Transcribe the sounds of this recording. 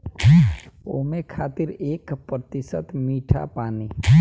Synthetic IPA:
o̰ːmẽkʰaːt̪ɪɾeːkpɾət̪ɪsə̰t̪miːʈʰa̰paːni

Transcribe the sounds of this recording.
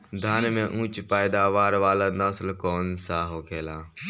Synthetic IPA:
d̪ʱaːnmẽʔũːt͡ʃpaːjd̪aʋaːɾʋaːlanəslkɔːnsaɦokʰeːlaː

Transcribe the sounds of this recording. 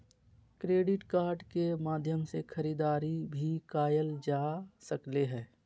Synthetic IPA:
kɾeːɖɪʈkaːɾɖkemaːd̪ʱjəmsekʰəɾiːd̪aːɾibʱikaːjəld͡ʒaːsəkleɦɛ̃ː

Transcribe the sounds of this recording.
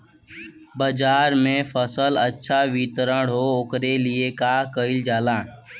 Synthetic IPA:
bəd͡ʒaːɾmẽfʰəsələtːʃʰaʋit̪əɾəɽɦookɾeliekaːkəɪld͡ʒaːlãː

